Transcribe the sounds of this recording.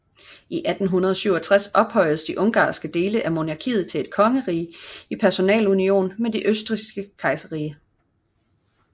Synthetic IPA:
iʔæd̥n̩ɦunɐð̞ˠɒ̽syʊ̰ɒt͡sʰʁasɒ̽b̥hɒ̽ɪ̰ðsd̥iʔɔ̽ŋɡ̥ɑ̰̈ːsɡ̥əd̥e̝ːləʔæmo̝nɑ̈kʰḭːð̞̩ˠt͡sʰe̝le̝d̥kʰɒ̽ŋəʁḭːipʰæɐso̝nɛ̰ːlunio̝̰ːnmed̥iʔøsd̥ʁisɡ̥əkʰɑ̈ɪsɐʁiːə

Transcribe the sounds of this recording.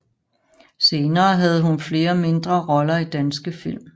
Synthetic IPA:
se̝ːnɐːɦæð̞ˠɦunfle̝ːɐme̝nd̥ʁɐʁɒ̽lɐid̥ænsɡ̥əfil̰m

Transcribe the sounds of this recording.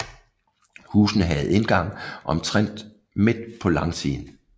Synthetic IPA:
huːsn̩ɦɛð̞̩ˠe̝nɡ̥ɑ̈ŋ̰ʔɒ̽mt͡sʰʁen̰d̥ | me̝d̥̚pʰɒ̽lɑ̈ŋsiːn̩

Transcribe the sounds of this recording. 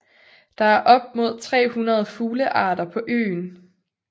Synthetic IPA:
d̥ɑ̈æɐʔɒ̽b̥̚mo̝ð̞̰ˠt͡sʰʁɛ̰ːhunɐð̞ˠfuːləʔɑ̰̈ːd̥ɐpʰɒ̽ʔø̰ːn

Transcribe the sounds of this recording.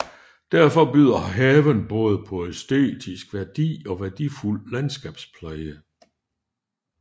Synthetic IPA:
d̥æɐ̰fɒ̽b̥yð̰ˠɐɦɛːʋənb̥ɔ̽ːð̞ˠəpʰɒ̽esd̥e̝̰ːd̥isɡ̥ʋæɐd̥ḭːɒ̽ʋæɐd̥iful̰lænsɡ̥ɛb̥spʰlæɪə

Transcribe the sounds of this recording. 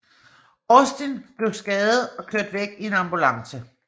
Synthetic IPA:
ɔsd̥enb̥le̝ʊsɡ̥ɛːð̩ˠɒ̽kʰlød̥ʋeɡ̥ie̝nɑ̈mb̥ulɑ̈ŋsə

